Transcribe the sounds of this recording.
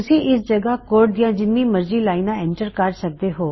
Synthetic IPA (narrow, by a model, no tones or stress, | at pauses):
ʊsĩːɪsd͡ʒəɡaːkoːɾʈ̚d̪ijãːd͡ʒɪnːĩːməɾziːlaːinãːɛ̃ɳʈəɾkɐɾsək̚d̪eːɦoː